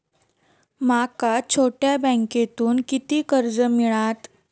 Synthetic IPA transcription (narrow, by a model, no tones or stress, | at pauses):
makat͡ɕʰoʈjabə̃ŋket̪uːnkit̪iːkəɾd͡zəmiɭat̪